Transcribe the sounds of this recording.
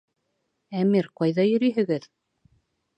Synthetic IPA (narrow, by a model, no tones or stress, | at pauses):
æmiɾqɑjðɑjɵ̆ɾyjɦɘ̆ɡɘð